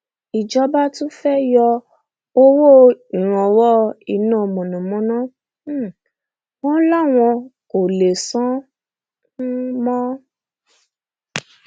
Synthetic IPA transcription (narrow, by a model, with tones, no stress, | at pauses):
i˨d͡ʒɔ˨˦ba˦tũ˦fɛ˦jɔ˧ | o˦wo˦˨ĩ˨ɾ̃ɔ̃˨wɔ˦i˦˨nã˦˨mɔ̃˨nũ˨mɔ̃˨˦nã˦˨˦ | wɔ̃˦la˦˨w̃ɔ̃˧ko˨le˨sɔ̃˦ | nũ˦mɔ̃˦